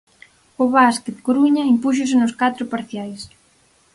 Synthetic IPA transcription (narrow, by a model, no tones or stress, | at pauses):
ʊβasket̪koɾuɲɐimpuʃ̬os̬ɪnʊskat̪ɾʊpaɾθjajs